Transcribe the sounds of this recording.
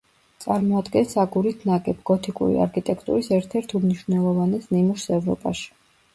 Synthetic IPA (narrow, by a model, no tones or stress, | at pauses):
t̪sʼaɾmɔad̪ɡɛnsaɡuɾit̪ʰnaɡʼɛbɡ̥ɔt̪ʰikʼṵɾḭa̰ɾkʰit̪ʼɛkʰʼt̪ʼṵɾisɛɾt̪ʰɛɾt̪ʰumniʃwvnɛlˠɔvanɛsnimuʃsɛvɾɔ̰pʼa̰ʃi̥